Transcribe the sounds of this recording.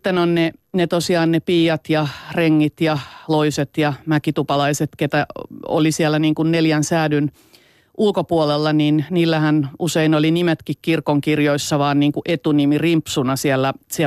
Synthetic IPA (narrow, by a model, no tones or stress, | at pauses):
t̪ːenonnenet̪osiɑːnnepiːjɑt̪jɑreŋːit̪jɑloiset̪jɑmækit̪upɑlɑiset̪ket̪æo̰lisiælːˑæniːŋkunneljænsæːdyn | ʔulkopuolelːɑniːnniːlːæhænuseinolinimet̪kikkirkoŋkirjoisːɑʋɑːnniːŋkuʔʔet̪unimirimpsunɑsiælːæsi